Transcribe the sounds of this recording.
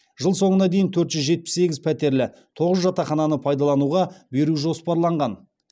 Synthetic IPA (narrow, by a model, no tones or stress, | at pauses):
ʒ̥əlˠso̞ɴənɑd̪e̞jɪnt̪ʰɵɾt̪ʒʏzʒe̞t̪̚pɪ̥sse̞ɡʲɪzpʰæt̪e̞ɾlɪ | t̪ʰo̞ʁəzʒɑt̪ɑχɑnɑnəpʰɑjd̪ɑlˠɑnuʁɑbe̞ɾuʒo̞spɑɾlˠɑɴʁɑn